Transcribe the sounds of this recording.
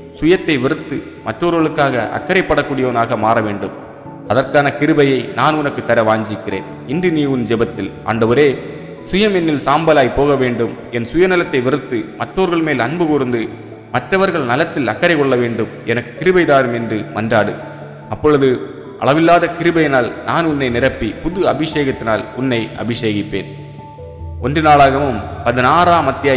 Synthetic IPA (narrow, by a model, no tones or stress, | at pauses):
sʊjɐt̪ːɐɪʋɪɾɯt̪ːɯ | mɐʈroːɾɣɐɭɯkːaːɣɐʔɐ̰kːɐɾɐɪpːɐɽɐkːuːɽɪjɐʋɐnaːɣɐmaːɾɐʋeːɳɖɯm | ɐðɐrkaːnɐkɪɾɯbɐjɐɪnaːnʊnɐkːɯt̪ːɐɾɐʋaːɲd͡ʒɪkːɪrḛːn | ɪndɪniːʋɯnd͡ʒɛbɐt̪ːɪlʔa̰ːɳɖɐʋɐɾeː | sʊjɐmɛnːɪlsaːmbɐlaːjpoːɣɐʋeːɳɖɯm | ɛnsʊjɐnɪlɐt̪ːɐɪʋɪɾɯt̪ːɯmɐʈroːɾɣɐɭmeːlɐnbɯkʊɾɯnd̪ɯ | mɐʈrɐʋɐɾɣɐɭnɐlɐt̪ːɪlɐkːɐɾɐɪkɔɭːɐʋeːɳɖɯm | ɛnɐkːɯ̥kɪɾɯbɐɪðaːɾɯmɛndrɯmɐndraːɽɯ̰ | ɐpːɔɻɯðɯ | ʔɐ̰ɭɐʋɪlːaːðɐkɪɾɯbɐɪnaːlnaːnʊnːɐɪnɪrɐpːipʊðɯɐbɪʂeːɣɐt̪ːɪnaːlʊnːɐɪʔɐ̰bɪʂeːɣɪpːḛːn | ɔndrɯnaːɭaːɣɐʋɯmpɐðɯnaːɾaːmɐt̪ːɪjaː